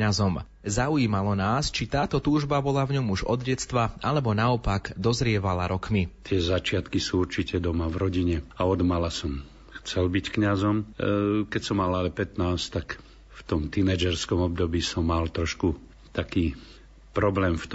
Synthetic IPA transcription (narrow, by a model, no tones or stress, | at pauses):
ɲazɔm | zaujiːmalɔnaːst͡ʃit̪aːt̪ɔt̪uːʒbabɔlavɲɔmuʒɔ̰d̪ɟɛt͡st̪ʋaʔalɛbɔnaɔpaɡd̪ɔzɾɪɛʋala̰ɾɔkmit̪ɪɛzat͡ʃɪat̪kisuːuɾt͡ʃicɛd̪ɔmavɾɔɟiɲɛaɔd̪malasɔm | xt͡sɛlbickɲazɔmkɛcsɔmalalɛpɛt̪naːst̪ak | ft̪ɔmt̪inɛd͡ʒɛɾskɔmɔb̚d̪ɔbiːsɔmːalt̪ɾɔʃku | t̪akiː | pɾɔblɛːmft̪